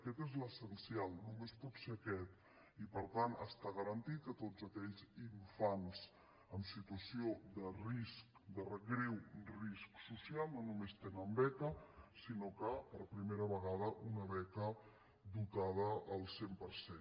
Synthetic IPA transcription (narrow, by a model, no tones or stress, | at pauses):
əkɛt̪ezləsənsialˠnumespɔt̪seəkɛt̪ | ipəɾt̪anə̰st̪aɣəɾənt̪it̪̚kət̪ozəkɛʎziɱfanz | əmsit̪uəsiod̪ərisk̚d̪ərəɣɾewrisksusialˠnonumest̪enəmbɛkəsinokəpəɾpɾimeɾəβəɣað̞əʔunəβɛkə | d̪ut̪að̞əːlˠsempəɾsen